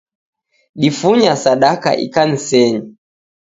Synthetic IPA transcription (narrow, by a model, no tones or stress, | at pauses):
ɗifuɲasaɗaka̰ʔḭkan̩sɛɲɔ